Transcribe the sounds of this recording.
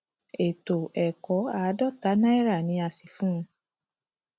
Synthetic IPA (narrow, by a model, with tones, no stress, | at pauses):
e˨to˨ɛ˨kɔ˨˦a˨˦dɔ˦˨ta˨˦nã˦ɛ˦ɾa˦˨nĩ˨˧˦a˧si˨fũ˦˧˦